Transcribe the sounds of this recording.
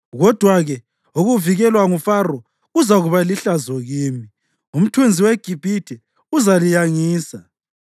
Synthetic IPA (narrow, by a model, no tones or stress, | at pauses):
ɣɔd̥ʱwaɣɛ | uɣuviɣɛlwaŋufarɔ | uzaɣuβaliɬazɔɣiːmi | um̩tʰwend͡zʱiweɡ̥ʱib̥ʱitʰɛ | uzalijaŋiːsa